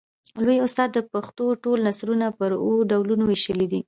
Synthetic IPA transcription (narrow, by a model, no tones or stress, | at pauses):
lojʊst̪ɑd̪ːəpaxt̪oʈolnasɾunapəɾoɖawlunowiʃəlid̪i